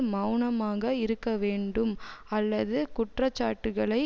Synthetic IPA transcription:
mɐwɳɐmaːɣɐɪɾɯkːɐʋeːɳɖɯmɐlːɐðɯkʊʈrɐt͡ʃːa̰ːʈːɯɣɐɭɐɪ

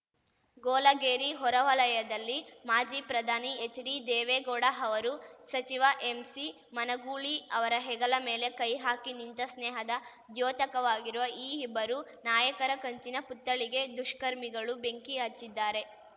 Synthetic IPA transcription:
ɡɔːlɐɡeːɾiɦɔɾɐʋɐlɐjɐd̪ɐlːimaːd͡ʒiːpɾɐd̪ʱaːniet͡ʃːɖid̪ɛːʋeːɡɔːɽɐɦɐʋɐɾusɐt͡ʃiʋaʔemsi | mɐnɐɡuːɭiɐʋɐɾɐɦɛɡɐlɐmeːle̞kɐjɦaːkinint̪ɐsnɛːɦɐd̪ɐ | d̪joːt̪ɐkɐʋaːɡiɾuʋɐʔiːɦibːɐɾunaːjɐkɐɾɐkɐɲt͡ʃinɐput̪ːɐɭiɡe̞d̪uʂkɐɾmiɡɐɭube̞ŋkiɐt͡ʃːid̪ːaːɾe̞

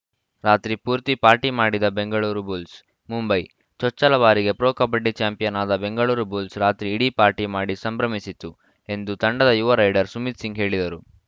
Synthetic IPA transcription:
ɾaːt̪ɾipuːɾt̪ipaːɾʈimaːɽid̪ɐbe̞ŋɡɐɭuːɾubuːls | mumbɐj | t͡ʃɔt͡ʃːɐlɐʋaːɾiɡe̞pɾoːkɐpɐɖːit͡ʃaːmpijɐnaːd̪ɐbe̞ŋɡɐɭuːɾubuːlsɾaːt̪ɾiːɽipaːɾʈimaːɽisɐmbɾɐmisit̪ːu | e̞nd̪ut̪ɐɳɖɐd̪ɐjuʋɐɾɐjɖɐɾsumit̪siŋɡɦe̞ːɭid̪ɐɾu

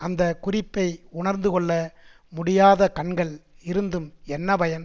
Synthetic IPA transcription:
ɐnd̪ɐkʊrɪpːɐɪʊɳɐɾnd̪ɯkɔɭːɐ | mʊɽɪjaːðɐkɐɳɡɐɭ | ɪɾɯnd̪ɯmɛnːɐpɐjɐn

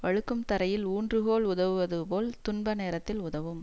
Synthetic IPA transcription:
ʋɐɻɯkːɯmt̪ɐɾɐjɪluːndrɯɣoːɭʊðɐʋɯʋɐðɯpoːlt̪ʊɳbɐneːɾɐt̪ːɪlʊðɐʋɯm

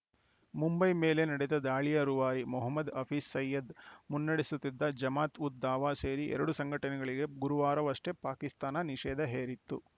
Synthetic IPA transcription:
mumbɐjmeːle̞nɐɽɛd̪ɐd̪aːɭijɐɾuʋaːɾimɔɦɐmːɐd̪ɐpʰiːsːɐjːɐd̪munːɐɽisut̪ːid̪ːɐd͡ʒɐmaːt̪ut̪̚d̪aːʋaːse̞ːɾiʔɛ̰ɾɐɽusɐŋɡʱɐʈɐnɛɡɐɭiɡe̞ɡuɾuʋaːɾɐʋɐʂʈe̞paːkist̪aːnɐniʃɛːd̪ɐɦeːɾit̪ːṵ

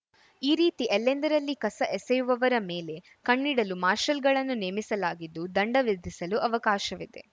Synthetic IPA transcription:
iːɾiːt̪iʔɛlːend̪ɐɾɐlːikɐsɐʔesɛjuʋɐʋɐɾɐmeːle̞ | kɐɳːiɽɐlumaːɾʃɐlɡɐɭɐnːuneːmisɐlaːɡid̪ːud̪ɐɳɖɐʋid̪isɐluʔɐʋɐkaːʃɐʋid̪ḛ

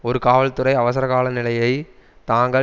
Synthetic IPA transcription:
ɔɾɯkaːʋɐɭt̪ɯɾɐɪɐʋɐs̬ɐɾɐkaːɭɐnɪlɐjɐɪ | t̪aːŋɡɐ

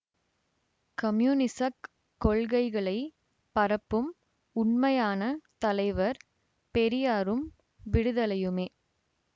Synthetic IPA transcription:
kɐmjuːnɪsɐkː | ɔɭɣɐɪɣɐɭɐɪ | pɐɾɐpːɯm | ʊɳmɐjaːnɐt̪ɐlɐɪʋɐɾ | pɛɾɪjaːɾɯm | ʋɪɽɯðɐlɐjɯmeː

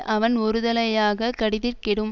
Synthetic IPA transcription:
ʔɐʋɐnɔɾɯðɐlɐjaːɣɐkɐɽɪðɪrkɪɽɯm

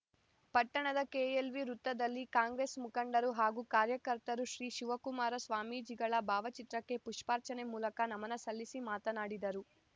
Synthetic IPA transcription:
pɐʈːɐɳɐd̪ɐkeːelʋiɾut̪ːɐd̪ɐlːikaːŋɡɾeːsmukɐɳɖɐɾuɦaːɡuːkaːɾjɐkɐɾt̪ɐɾuʃɾiːʃuʋɐkumaːɾɐsʋaːmiːd͡ʒiɡɐɭɐbʱaːʋɐt͡ʃit̪ɾɐkːe̞puʂpaːɾt͡ʃɐnemuːlɐkɐnɐmɐnɐsɐlːisimaːt̪ɐnaːɽid̪ɐɾu

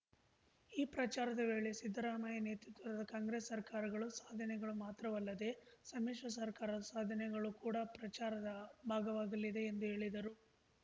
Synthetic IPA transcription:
iːpɾɐt͡ʃaːɾɐd̪ɐʋe̞ːɭe̞sid̪ʱːɾaːmajɐneːt̪ɾut̪ʋɐɾɐd̪ɐkaːŋɡɾesːɐɾkaːɾɐɡɐɭusaːd̪ʱɐnɛɡɐɭumaːt̪ɾɐʋɐlːɐd̪e̞sɐmiːʂɐs̬ɐɾkaːɾɐd̪ɐsaːd̪ʱɐnɛɡɐɭukuːɽɐpɾɐt͡ʃaːɾɐd̪ɐbʱaːɡɐʋaːɡɐlːid̪e̞ːnd̪uɦe̞ːɭid̪ɐɾu

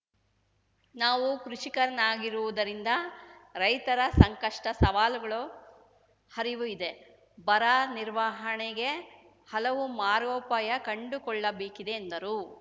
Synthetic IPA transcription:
naːʋukɾuʂikɐɾɐnaːɡiɾuʋud̪ɐɾind̪ɐɾɐjt̪ɐɾɐsɐŋkɐʂʈɐsɐʋaːluɡɐɭu | hɐɾiʋuid̪e̞ | bɐɾaːniɾʋaːɦɐɳeɡe̞ | hɐlɐʋumaːɾoːpajɐkɐɳɖukɔɭːɐbeːkid̪e̞ːnd̪ɐɾu

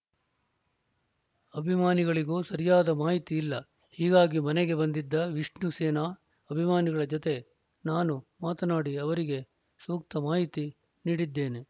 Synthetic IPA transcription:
ɐbʱimaːniɡɐɭiɡuːsɐɾijaːd̪ɐmaːɦit̪iːlːɐ | hiːɡaːɡimɐneɡe̞bɐnd̪id̪ːɐʋiʂnuseːna | ɐbʱimaːniɡɐɭɐd͡ʒɔt̪e̞ | naːnumaːt̪ɐnaːɽiɐʋɐɾiɡe̞ | suːk̚t̪ɐmaːɦit̪i | niːɽid̪ːe̞ːne

